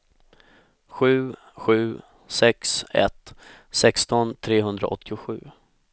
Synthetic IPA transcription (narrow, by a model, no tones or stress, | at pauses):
ɧʉ̟ː | ɧʉ̟ː | sɛksɛ̰t̪ | sɛkst̪ɔnt̪ʰɾeːɦɵnd̪ɾa̰ʔɔt̪ʰːɪʊɧʉ̟ː